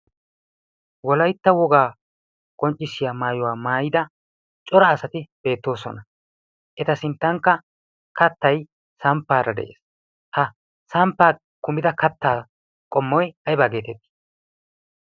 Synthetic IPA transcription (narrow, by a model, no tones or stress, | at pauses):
wɔlɐjt̪ːɐwɔɡaː | kʼɔnt͡ʃʼːɪsːɪjaːmaːjɔwaːmaːjɪd̪ɐ | t͡ʃʼɔɾɐːsɐt̪ɪb̥e̞ːt̪ːo̞ːsɔ̰nɐ | ʔɛt̪ɐsɪnt̪ːɐŋkːɐ | kɐt̪ːɐj | sɐmpːaːɾɐd̪ɛ̰ʔḛːs | hɐ | sɐmpːaː | kʊmɪd̪ɐkɐt̪ːaː | kʼɔmːɔjɐjbaːɡe̞ːt̪ɛt̪ːɪ̥